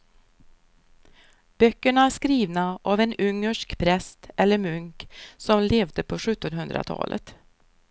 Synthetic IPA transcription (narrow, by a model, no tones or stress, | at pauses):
b̥œkːəɳaæʂkɾiːvnaʔavɛnɵŋːəʂkpʰɾɛst̪ʔɛlːəɾmɵŋksɔmleːvd̪əpʰɔɧɵt̪ːɔnɦɵnd̪ɾa̰t̪ʰɑ̰ːlʔə̰t̪